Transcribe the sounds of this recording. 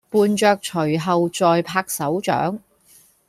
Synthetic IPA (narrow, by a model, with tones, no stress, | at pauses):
puː˨˧nt͡ʃœː˧k̚t͡ʃʰɵ˨˩ɥɦɐ˨wt͡sɔː˨jpʰaː˧˥k̚sɐ˨˥wt͡ʃœ̰ː˨˥ŋ